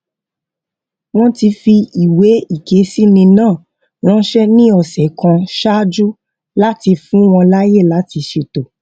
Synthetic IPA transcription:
w̃ɔ̃˦ti˧fi˧i˨we˨˦i˦˨ke˨˦si˦nĩ˧nãː˦˨ | w̃ɔ̃˦ʃɛ˦nĩ˦ɔ˦˨sɛ˨kã˧ʃa˦d͡ʒu˦ | la˦ti˧fũ˦w̃ɔ̃˧la˦je˦˨la˨˦ti˧ʃe˧to˨

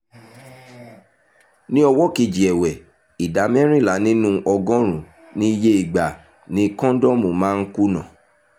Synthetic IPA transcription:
nĩ˦ɔ˧wɔ˦ki˨d͡ʒi˨ɛ˨wɛ˨ | i˨da˨˦mɛ˦ɾ̃ĩ˦˨la˨˦nĩ˦nũ˦ʔɔ˧ɡɔ̃˦ɾ̃ũ˨ | nĩ˦˧je˦i˨ɡ͡ba˨ | nĩ˨˦kɔ̃˦dɔ˦mo˨mãː˨˦˧n̩˦ku˦nã˨

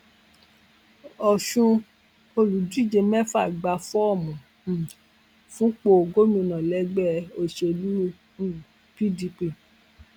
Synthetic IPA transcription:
ɔ˨ʃũ˧ | o˧lu˨du˦i˦˨d͡ʒe˧mɛ˦fa˦˨ɡ͡ba˧fɔ˦ɔ˦˨mũ˨ | fũ˦k͡po˧o˨ɡo˦mĩ˧nã˨lɛ˨˦ɡ͡bɛ˦˨o˧ʃe˧o˧lũ˦˨ | pi˦di˧pi˧˨

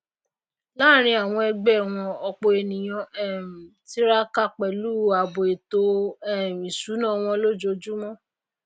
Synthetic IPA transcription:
la˦˨ɾ̃ĩ˧a˨w̃ɔ̃˧ɛ˧ɡ͡bɛ˦˨w̃ɔ̃˧ɔ˧k͡po˧e˨nĩ˨j̃ɔ̃˧ʔɛ˦˨m̩˨ti˦ɾa˦ka˦˨k͡pɛ˨luː˦a˨bo˨e˨to˧˦ɛ˦˨ĩ˨su˨˦nã˦˨w̃ɔ̃˧lo˦d͡ʒo˧˦d͡ʒu˦mɔ̃˦

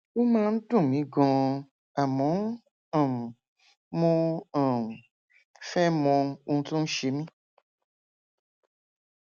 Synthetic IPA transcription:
wo˦mãː˦n̩˦dũ˦˨mĩ˨˦ɡɔ̃˧ | a˨mɔ̃˨˦ | ɔ̃˨ | mɔ̃˦ɔ̃˨ | fɛ˦mɔ̃˧˦u˧˦tũ˦n̩˦ʃe˧mĩ˦

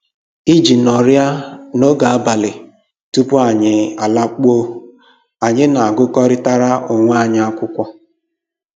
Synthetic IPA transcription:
i˦d͡ʒi˨nɔ˨ɾja˦no˦ɡa˨a˦ba˨lɪ˨ | tu˦pʊ˦a˨ɲɪ˨a˨la˦k͡po˦ | a˨ɲɪ˦na˨a˨ɡʊ˦kɔ˦ɾɪ˦ta˦ɾa˦ʔʊ˨ŋʷa˦˨ɲɪ˦a˦kʷʊ˦kʷɔ˦

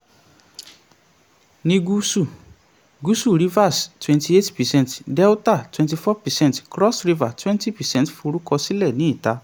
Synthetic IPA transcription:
nĩ˧ɡu˦su˦˨ | ɡu˦su˦˨ɾi˨˦va˦˨stwɛ̃˧nti˧e˦tpɛ˨sɛ̃˦ntdɛ˦u˦ta˦˨twɛ̃nti˧fɔ˦pɛ˨sɛ̃˦ntkɾɔ˦sɾi˦va˨twɛ̃˦nti˦˨pɛ˨sɛ̃˦n˨tfo˧ɾu˦kɔ˧si˦lɛ˦˨nĩ˨˦i˦˨ta˨˦

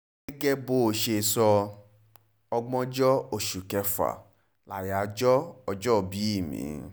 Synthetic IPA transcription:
ɡɛ˦ɡɛ˦bo˨ʃe˧˨sɔ˧ | ɔ˧ɡ͡bɔ̃˦d͡ʒɔ˦o˦˨ʃu˨kɛ˧fa̰˨ | la˨ja˨˦d͡ʒɔ˦ɔ˧d͡ʒɔ˦˨bi˨˦i˦˨mḭ̃˨˦

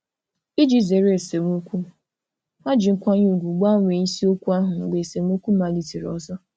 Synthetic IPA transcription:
i˦d͡ʒi˦˨ze˨ɾe˦e˨se˨m˦o˦kʷu˦ | ma˦d͡ʒi˨ŋ̩˦kʷa˦ɲ˦u˦˨ɡʷu˨ɡ͡ba˦ŋʷ˨e˨ɲ̩˦si˦o˦kʷu˦a˦ɦʊ˨ŋ̩˨ɡ͡be˨e˨se˨m˦o˦kʷu˦ma˨li˦˨ti˨ɾɔ̰˨zɔ˦

